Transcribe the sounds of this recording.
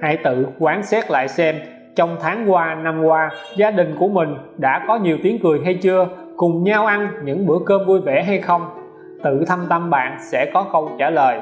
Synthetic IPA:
ʔaː˧jt̪ɨ̰˧˨kwaː˨˦nsɛ˦˥t̚la̰ː˧˨jsɛ˧m | t͡ɕɔ˧wŋ͡mt̪ʰaː˨˦ŋkwaː˧na˧mkwaː˧ | zaː˧ɗï˨˩ŋ̟ku˧˩əmï˨˩ŋ̟ɗa̰ː˧˥kɔ˨˦ɲi˨˩əwt̪i˨˦əŋkɨ˨˩əjɦa˧jt͡ɕɨ˧ə | kʊ˨˩ŋ͡mɲaː˧wʔa˧nɲɨ̰˧˥ŋɓɨ̰˧˥əkəː˧mvu˧jvḛ˧˩ɦa˧jxə˧wŋ͡m | t̪ɨ̰˧˨t̪ʰə˧mt̪ə˧mɓa̰ː˧˨nsɛ̰˧˥kɔ˨˦kə˧wt͡ɕaː˧˩ləː˨˩j

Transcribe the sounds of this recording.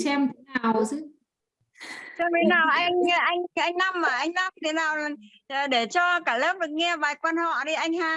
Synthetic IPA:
sɛ˧m˨˩t̪ʰe˨˦naː˨˩wzɨ˨˦ | sɛ˧mt̪ʰe˨˩˦naː˨˩wʔa˧ŋ˧ʔa˧jŋ̟ʔa˧jŋ̟na˧mːaː˨˩ʔa˧jŋ̟na˧m˨t̪ʰe˨˦naː˨˩w | ɗe˧˩t͡ɕɔ˧kaː˧˩ləː˦˥p̚ɗɨ˨˩k̚ŋɛ˧ɓaː˨˩jkwaː˧nhɔ̰˧˨ɗi˧ʔa˧jŋ̟haː˧˩

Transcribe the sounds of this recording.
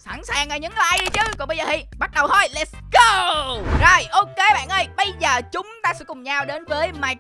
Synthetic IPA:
sa˧˩nsaː˨˩ŋʔə˨˩ɲɨ˨˦ŋlaː˧˨˧jɗi˧t͡ɕɨ˨˧˦kʊ˧˥ŋ͡mɓə˧jzəː˨˩ḭ˧˩ɓa˦˥t̚ɗə˨˩wtɔ˧˩jlɛ˦˥ts | ɡo˧zo˨˩jʔo˧ke˨˧˦ɓa̰ː˧˨nʔə˧˩jɓə˧jzəː˨˩t͡ɕʊ˨˦ŋ͡mt̪aː˧sɛ̰˧˥kʊ˨˩ŋ͡mɲaː˧wɗe˨˦nvəː˨˦jmaː˧˩j̚

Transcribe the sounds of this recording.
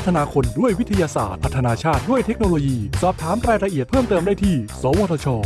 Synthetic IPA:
t̪ʰa˧naː˧kʰo˧ndu˥˩əjwi˦˥t̪ʰa˧jaː˧sa̰ː˨˩t̪̚ʰa˧˥t̪ʰːa˧naː˧t͡ɕʰaː˥˩t̪̚du˥˩əjt̪ʰe˦˥k̚noː˧loː˧jiː˧sɔː˨˩p̚t̪ʰaː˩˦mɾaː˧jɾa˧ʔi˨˩ət̪̚pʰɤː˥˩mt̪ɤː˧mdaː˥˩jt̪ʰiː˥˩sɔː˩˦woː˧t̪ʰɔː˧t͡ɕʰɔː˧

